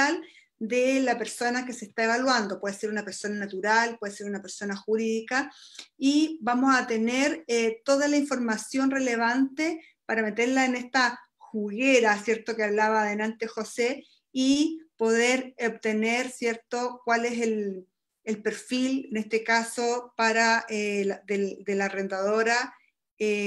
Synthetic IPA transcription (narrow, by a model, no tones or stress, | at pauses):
al | d̪elape̞ɾso̞nake̞seht̪ae̞βalwand̪o̞pwe̞ðeseɾunape̞ɾso̞nanat̪uɾalpwe̞ðese̞ɾunape̞ɾso̞naxuɾiðikaibamosat̪eneɾet̪o̞ðalaiɱfo̞ɾmasjo̞nreleβant̪e | paɾame̞t̪eɾlaenest̪a | xuɣeɾasje̞ɾt̪okeaβlaβaːðenant̪exo̞se | ipo̞ðeɾop̚t̪e̞neɾsje̞ɾt̪okwale̞sel | elpe̞ɾfilenest̪ekasopaɾaelaðeld̪elare̞nd̪að̞o̞ɾa | e